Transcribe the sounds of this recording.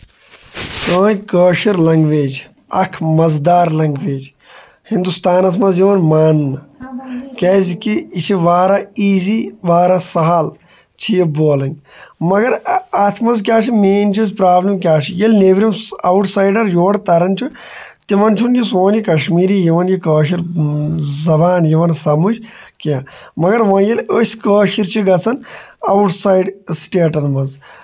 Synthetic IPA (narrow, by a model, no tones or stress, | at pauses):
sɐːnʲkəːʃiɾlɐŋɡʋeːd͡ʒ | ɐ̰kʰmɐzd̪aːɾlɐŋɡʋeːd͡ʒ | hind̪ust̪aːnɐsmɐzɦiʋɐnmaːnː | kɛːzikiːt͡ʃʰiʋaːɾaːiːziːʋaːɾasɐɦal | t͡ʃʰijeboːlɐnʲmɐɡɐɾaːt̪ʰmɐnzk̬ʲjaːt͡ʃʰimeːnt͡ʃʰisʲpɾaːblɐmk̬ʲaːt͡ʃʰijelneʋɾimɐwʈʰsaːjɖɐɾjoːɽt̪ɐɾɐnt͡ʃʰu | t̪iʋɐnt͡ʃʰunjisoːnjikɐʃmiːɾijiʋɐnjikəːʃ̬iɾ | zɐbaːnjiʋɐnsɐmut͡ʃkjãː | mɐɡɐɾʋɐːnjeləːsʲkəːʃiɾt͡ʃʰiɡɐt͡sʰɐnɐwuʈsaːjɖsʈeːʈɐnmɐz